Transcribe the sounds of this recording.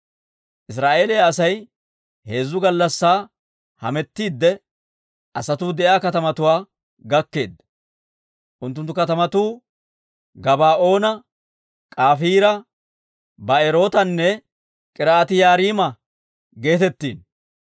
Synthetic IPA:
ʔɪs̬ɾaːʔe̞ːleːɐsɐj | he̞ːzːʊɡɐlːɐsːaː | hɐ̰mɛt̪ːiːd̪ːɛ | ʔɐsɐt̪uːd̪ɛʔjaːkɐt̪ɐmɐt̪ʊwaː | ɡɐkːe̞ːd̪ | ʔʊnt̪ːʊnt̪ːʊkɐt̪ɐmɐt̪uː | ɡɐbaːʔo̞ːnɐ | kʼaːfiːɾɐ | bɐɛɾo̞ːt̪ɐnːɛ | kʼɪɾaːt̪ɪjaːɾiːmɐ | ɡe̞ːt̪ɛt̪ːḭːn

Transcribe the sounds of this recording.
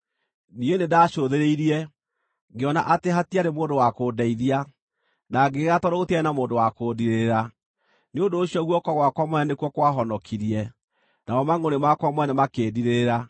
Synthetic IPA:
nienedaʃoðeɾeiɾiɛ | ɡeɔnaʔateɦatiaɾemoːndowakoːdɛiðia | naɡeɣatɔɾootiɛnamoːndowakodiɾeɾa | neondoːɕiɔɣwɔkɔɣwakwamɔɛnekuɔkwaɦɔnɔkʰiɾiɛ | naɔmaŋonemakwamwɛnɛmakeːdiɾeɾa

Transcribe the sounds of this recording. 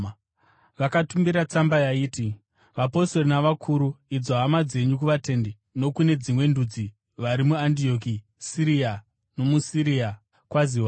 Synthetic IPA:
ʋakatumbiɾat͡sambajaiːti | ʋapo̞storinaʋakʰuɾuid͡zoɦamad͡ze̞ɲuk̬uʋate̞nde | no̞kune̞d͡zimwe̞ndud͡zi | ʋaɾimuandio̞ki | siɾia | no̞musiɾia | kwaziwa

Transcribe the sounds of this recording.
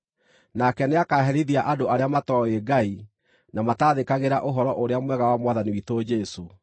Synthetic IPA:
nakɛneakaɦɛɾiðiaʔadoaɾeamatɔeɡai | namataðekaɣeɾaʔoɦɔɾɔʔoɾeamwɛɣawamwaðaniwitod͡ʒɛso

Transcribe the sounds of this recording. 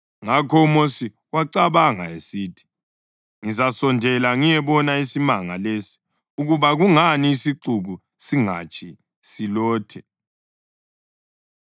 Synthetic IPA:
ŋakʰɔumosi | waǀaβaŋa̰esiːtʰi̥ | ŋizasɔndʱɛlaŋijɛβɔnaisimaŋalesi̥ | uɣuβaɣuŋaniːsiǃuɣu | siŋa̰t͡ʃʰi | silɔːtʰɛ

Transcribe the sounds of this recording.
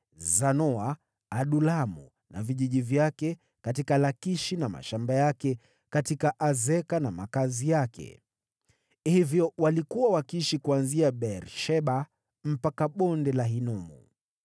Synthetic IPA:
zanɔaː | ɗulamṵ | na̰viʄiʄivjakɛ | katikalakiʃinama̰ʃambajakɛ | katikaʔazɛkanama̰kazijakɛ̰ | hivjɔwalikuwawakiʃikuanziaɓɛɾʃɛɓa | m̩pakaɓɔndɛlaɦinɔmṵ

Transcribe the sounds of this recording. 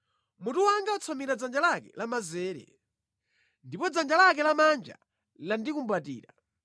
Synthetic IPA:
mutuwaŋɡaɔt͡sʰɔmiɾad͡zand͡ʒalakɛ̰lamazɛːɾɛ̰ | ndipɔd͡zand͡ʒalak̬ɛlamand͡ʒa̰ | landikumbatḭːɾa

